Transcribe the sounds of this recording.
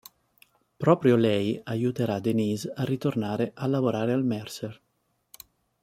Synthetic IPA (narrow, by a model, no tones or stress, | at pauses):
pɾɔːpɾjolɛjajut̪eɾad̪enizarːit̪ornaːɾeʔalːavoɾaːɾealmɛrser